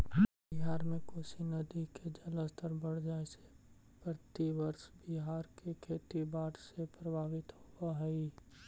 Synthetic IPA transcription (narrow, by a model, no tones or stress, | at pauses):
bɪɦaːɾmẽkoːsinɐd̪iked͡ʒələst̪əɾbəɽ̤d͡ʒaːese̥ | pɾət̪iʋəɾʃbɪɦaːɾkekʰeːt̪ibaːʈsepɾəbʱaːʋɪt̪hoaɦɛi